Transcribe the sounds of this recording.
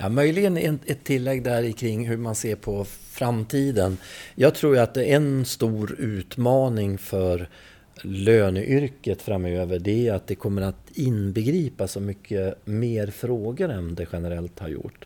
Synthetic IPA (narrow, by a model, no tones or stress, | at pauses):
jʔɑ̰mœjlɪɡənɛnɛt̪ʰːɪlːɛɡːd̪æɾɪkʰɾɪŋːɦɵmanseːɾpʰɔ | fɾamt̪ʰiːd̪ənjɑːɡ̚t̪ʰɾuːjat̪̚d̪ɛɛnst̪uːɾʉ̟ːt̪mɑːnɪŋfœɾ | løːnəʔʏɾkət̪fɾamøːvəɖɛat̪̚d̪ɛkʰɔmːəɾat̪ɪnbɛɡɾiːpasɔmʏkʰːəmeːɾfɾoːɡəɾɛnd̪ɛɧɛnəɾɛlt̪ha̰ɾjʊ̰ʈː